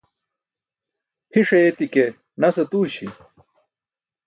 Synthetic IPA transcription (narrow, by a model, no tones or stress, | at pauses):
pʰiʂɐjet̪ike | nɐsɐt̪uːɕi